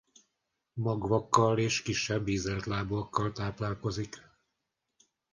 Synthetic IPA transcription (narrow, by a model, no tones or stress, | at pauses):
mɒɡʋɒkːɒleːʃkiʃːɛbːiːzɛlt̪laːboɒkːɒlt̪aːplaːlko̞zik